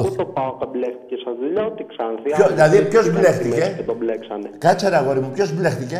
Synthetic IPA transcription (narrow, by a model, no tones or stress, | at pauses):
t̪opɐot̪ɐbleft̪icesɐzðuʎɐot̪iksɐnθiçoilɐðipço̞zblext̪iceet̪obleksɐnekɐt͡sɐɾɐɣo̞ɾimupço̞zble̞xθice̞